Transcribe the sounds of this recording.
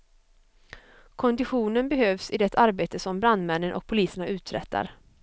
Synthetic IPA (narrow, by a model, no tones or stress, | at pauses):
kʰɔnd̪ɪɧuːnənbɛɦøːvsɪd̪ɛt̪ʰaɾbeːt̪əsɔmbɾand̪mɛnːənʔɔ̰k̚pʰʊliːsəɳaʉ̟ːt̪ɾɛ̰t̪ʰːa̰ɾ